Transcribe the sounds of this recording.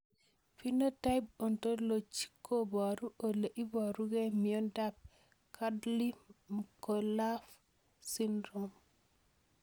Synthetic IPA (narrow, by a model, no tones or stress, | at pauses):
finotaib̚ɔntolot͡ʃi̥kʰːobaɾuʔoleʔibaɾuɡemiɔndab̚ | kʰadlimkolaf | sindɾom